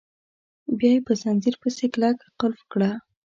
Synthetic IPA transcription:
bjɑjepəzanziɾpəseklakqʊlfkɽa

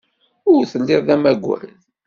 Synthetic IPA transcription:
ʊɾθəlːɪððæmæɡʷwæ̰n

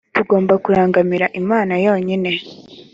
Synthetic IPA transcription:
tuɡo̞ːmbakuɾaːŋɡamiɾaʔimaːnajo̞ːɲine̞

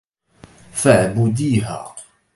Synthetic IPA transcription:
faʕbʊd̪iːɦa̰ː

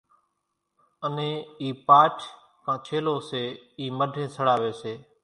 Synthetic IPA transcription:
ənẽːiːpaːʈʰ | kʰãːt͡ʃʰeːloːseːiːməɖʱẽːsəɽaːʋeːseː

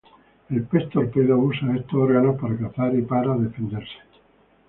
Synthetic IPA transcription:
elpest̪oɾpeðousaest̪ooɾɣanopaɾakaθaɾipaɾaðefend̪eɾse̥

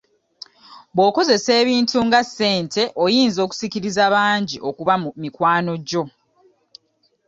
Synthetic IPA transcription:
bwo̞ːko̞ze̞se̞ːβiːntuŋɡasːe̞ːntʰe̞ʔojiːnzo̞ːku̥siciɾizaβaːɲɟiʔo̞kuβamikwaːno̞ɟo̞

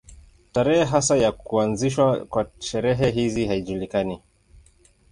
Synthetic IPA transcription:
taɾɛhɛɦasajakuanziʃwakwaʃɛɾɛɦɛɦizihaiʄulikani

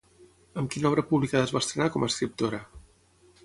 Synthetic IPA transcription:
əmkinɔβɾəpuβlikaðəzβast̪ɾənakɔməskɾip̚t̪oɾə

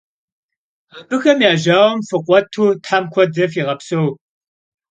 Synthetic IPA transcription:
abɨxɐmjaːʒaːwɔmfɨqʷɔtʰuːtħamkʷʰɔd͡zɐfiːʁɐpsow

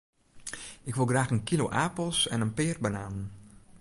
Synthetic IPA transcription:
ɪkʋɪlˠɡraːxənkilo̰ʔapl̩ˠsɛ̰nənpɪːrbənaːnən

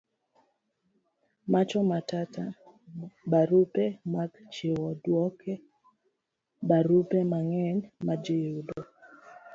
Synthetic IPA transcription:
mat͡ʃɔmatata | baɾupɛmaɡt͡ʃɪwɔdwɔkʰɛ | baɾupemaŋɛɲmad͡ʒɪjudɔ

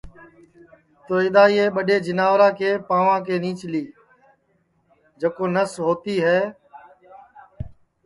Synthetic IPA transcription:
t̪oːɪɗ̪aːiːeːɓəɗeːd͡ʒɪnaːʋɾãːkʰeːpãːʋãːkeːniːt͡ʃliː | d͡ʒəkoːnəsɦoːt̪iːɦɛː

